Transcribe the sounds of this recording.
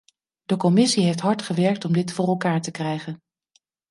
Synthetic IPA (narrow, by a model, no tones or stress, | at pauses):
d̥əkɔmɪsiɦejftɦɑɹtχəʋɛɹk̚tɔmdɪtfʊːrɛlˠkaːɹtəkrɛjχən